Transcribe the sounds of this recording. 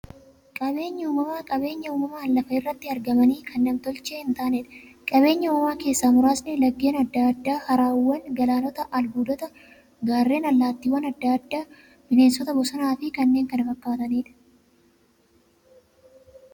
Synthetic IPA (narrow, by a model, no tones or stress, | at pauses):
kʼɐbe̞ːɲːɐuːmɐmaːkʼɐbe̞ːɲːɐuːmɐmaːɐlːɐfɐɪrːɐt̪ːɪɐɾɡɐmɐniːkʰɐnːɐmt̪ɔlt͡ʃeːhɪnt̪aːneːᶑɐ̥kʼɐβe̞ːɲːɐʊmɐmaːke̞ːsːaːmʊɾaːsnɛlɐɡːe̞ːnɐd̪ːaːd̪ːaːhɐɾaːwːɐnɡɐlaːnɔt̪ɐʔɐlbuːd̪ɔt̪ɐ | ɡaːrːe̞ːnɐlːaːt̪ːiːwɐnɐd̪ːaːd̪ːaː | bɪne̞ːnsɔt̪ɐbɔsɐnaːfɪkɐnːe̞ːŋkɐnɐfɐkːaːt̪ɐniːᶑɐ̥